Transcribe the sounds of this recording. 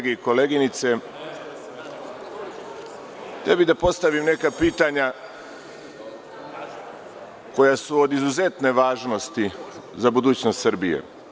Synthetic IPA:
ɡeiko̞leːɡinit̪se̞ | t̪ebid̪apo̞st̪aʋimne̞kapiːt̪aɲa | ko̞jasuo̞d̪izuze̞t̪ne̞ʋaːʒno̞st̪i | zabud̪uːt͡ɕnost̪srɾbijḛ

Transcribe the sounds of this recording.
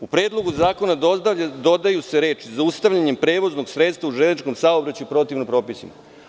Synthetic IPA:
upɾeːd̪lˠo̞ɡuzaːko̞nad̪d̪o̞d̪ajuse̞ɾe̞ːt͡ʃizaust̪aʋʎaɲe̞mpɾe̞ːʋo̞zno̞ɡsɾet̪st̪vauʒennit͡ʃko̞msaobɾat͡ɕuipɾo̞t̪iʋnopɾo̞ːpisima

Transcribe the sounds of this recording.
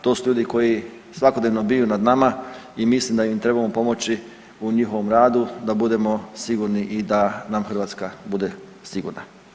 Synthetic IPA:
t̪o̞ːsuʎuːd̪iko̞ji | sʋakod̪neʋno̞bijunad̪namaimislimd̪ajimt̪ɾe̞bamopo̞mo̞t͡ɕi | uɲixo̞ʋomɾaːd̪ud̪abud̪e̞mo̞siɡuːɾniʔid̪anamxr̩ʋaːt̪skabud̪e̞ | siɡṵɾna̰

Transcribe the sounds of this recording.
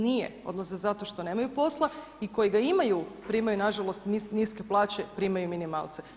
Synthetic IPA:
nijḛo̞̰d̪lˠazezat̪o̞ʃt̪o̞ne̞ːmajupo̞slˠa | iko̞jiɡaimajupɾiːmajunaʒalˠo̞st̪niniske̞plˠaːt͡ɕe̞pɾimajuminima̰ːlˠt̪se

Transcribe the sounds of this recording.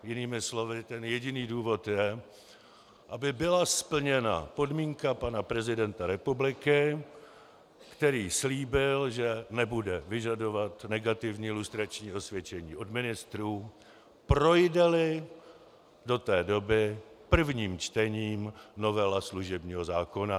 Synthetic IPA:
jɪniːmɪslo̞vɪt̪ɛnjɛɟɪniːduːvo̞t̪jɛ | ʔabɪbɪlaspl̩ɲɛna̰po̞dmiːŋkapanapɾɛzɪdɛnt̪aɾɛpublɪkɪ | kt̪ɛɾiːsliːbɪlʒɛnɛbudɛvɪʒado̞vat̪nɛɡat̪ɪvɲiːlust̪ɾat͡ʃɲiːo̞svjɛt͡ʃɛɲiːʔo̞dmɪnɪst̪ɾuː | pɾo̞jdɛlɪ | do̞t̪ɛːdo̞bɪpr̩vɲiːmt͡ʃt̪ɛɲiːmno̞vɛlasluʒɛbɲiːɦo̞zaːko̞na

